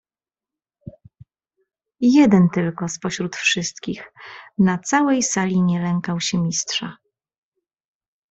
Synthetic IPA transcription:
jɛd̪ɛnt̪ɘlkɔspɔɕɾut̪fʂɘst̪kʲixnat̪sawɛjsalʲiɲɛlɛŋkawɕɛmʲistʂa

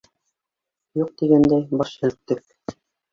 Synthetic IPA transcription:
juq̚t̪iɡænd̪æjbɑʃɘ̆ltt̪ːɘk̚

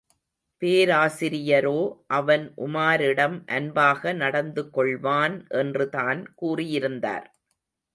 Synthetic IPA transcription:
peːɾaːsɪɾɪjɐɾoːʔɐʋɐnʔʊmaːɾɪɽɐmʔɐnbaːɣɐnɐɽɐnd̪ɯkːɔɭʋaːnʔɛndrɯðaːnkuːrɪjɪɾɯnd̪a̰ːɾ

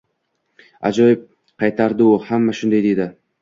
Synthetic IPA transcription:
a̰d͡ʒɒjɪp̚ | qʰɑjt̪ʰaɾd̪ɪʊhamːaʃʊnd̪ajd̪e̞d̪ɪ

